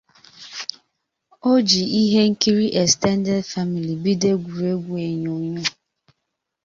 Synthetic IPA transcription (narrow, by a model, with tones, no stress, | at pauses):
o˦d͡ʒi˨i˦ɦe˦ŋ̩˦ki˦ɾi˦ʔe˨stɛ˦n˦dɛ˦dfa˦mi˨li˨bi˦de˦ɡʷu˨ɾe˦ɡʷu˦e˨ɲo˨˦ɲʊ˦